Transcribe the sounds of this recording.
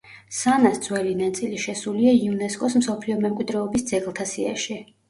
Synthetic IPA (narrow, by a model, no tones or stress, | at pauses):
sanasd̪zwɛlinat̪sʼiliʃɛsuliaiunɛskʼɔsmsɔpʰliɔmɛmkʼwid̪ɾɛɔbisd̪z̥ɛɡlˠt̪ʰasia̰ʃi